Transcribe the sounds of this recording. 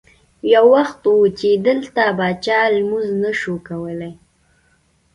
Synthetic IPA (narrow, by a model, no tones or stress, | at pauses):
jawːaxt̪wut͡ʃed̪əlt̪abɑt͡ʃɑlmuznəʃokawəlaj